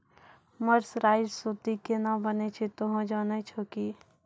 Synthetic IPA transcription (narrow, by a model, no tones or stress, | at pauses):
məɾsɾaːɪd͡ʒsut̪ikenabənet͡ʃʰet̪oɦõd͡ʒaːnet͡ʃʰoːki